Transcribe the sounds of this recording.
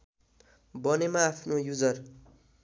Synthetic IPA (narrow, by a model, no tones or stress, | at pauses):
bʌnemaːpʰnojud͡zʌr